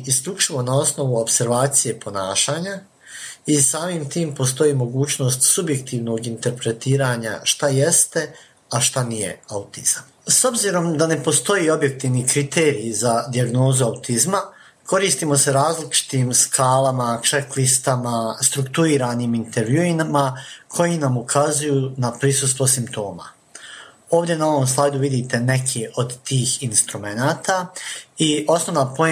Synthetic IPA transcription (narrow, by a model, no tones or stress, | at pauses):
isʎut͡ʂiʋo̞nao̞sno̞ʋuo̞pse̞ɾʋaːt̪sije̞pʰo̞naːʃaːɲa | isaːmimt̪iːmpo̞s̬t̪o̞jiːmo̞ɡuːt͡ɕno̞ːst̪subje̞kt̪iːʋno̞ɡint̪e̞ɾpɾe̞t̪iːɾaɲa̰ʃt̪aje̞st̪e̞ | aʃt̪anije̞̰aut̪iz̥am | so̞bziɾo̞md̪ane̞po̞st̪o̞jio̞bje̞k̚t̪iːʋnikɾit̪eːɾiːzad̪iaɡno̞ːzuaut̪izma | kʰo̞ɾiːst̪iːmo̞se̞ɾaːzlit͡ʃi̥t̪iːmskʰaːlamat͡ʂeklist̪amast̪ɾukt̪uiːɾaːniːmint̪e̞ɾʋjuinmakʰo̞jinamukʰazujuːnapɾisust̪ʋosimpt̪o̞ːma̰ | o̞ːʋd̪ʲje̞nao̞ʋoms̬lˠajd̪uʋid̪iːt̪e̞ne̞kʰiʔo̞d̪t̪iːxinst̪ɾume̞naːt̪aio̞sno̞ʋnaːpo̞e